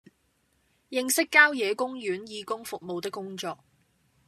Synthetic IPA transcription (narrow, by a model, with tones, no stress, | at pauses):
jɪ˧ŋsɪ˥kːaː˥wjɛː˨˧kʊ˥ŋjyː˨˥njiː˨˧kʊ˥ŋfʊ˨k̚mo˨wt̪ɪ˥kːʊ˥ŋt͡ʃɔː˧k̚